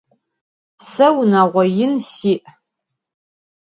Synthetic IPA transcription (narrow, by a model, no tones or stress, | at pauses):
sɐwnaːʁʷɔjɪnsiːʔ